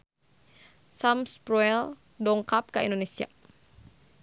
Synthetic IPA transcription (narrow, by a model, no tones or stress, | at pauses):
samspɾuɛl | dɔŋkap̚kaḭndonesia̰